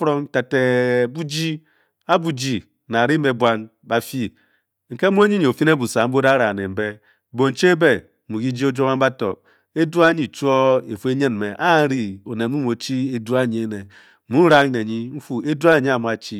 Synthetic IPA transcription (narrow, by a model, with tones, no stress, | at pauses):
fɾo˦ŋ˦ta˨te˨bu˦d͡ʒi˦ | a˦bu˨d͡ʒi˨ | na˨ɾi˦me˨bʷa˦n | ba˦fi˦ | ŋ̩˨ke˦mu˦e˦ɲi˦ɲ˨o˨fi˦n˦e˦bu˨sa˨m̩˦bo˦da˦ɾa˨ne˨m̩˨be˦˨ | bo˨n̩˨t͡ʃe˦be˨ | mu˨ɡi˦d͡ʒi˦o˦d͡ʒo˦ma˦ba˦to˨ | e˦du˦a˦ɲi˨t͡ʃu˦o˦e˨fu˦e˦ɲe˦nme˨ʔa˦ɾi˨o˨ne˨mu˦m˦o˨t͡ʃi˦e˦du˦a˦˨ɲi˨e˦ne˨ | mu˦n̩˦ɾa˦ne˨ɲi˦m̩˦fu˦e˦du˦a˦ne˨ɲi˦a˨mu˨a˨t͡ʃi˦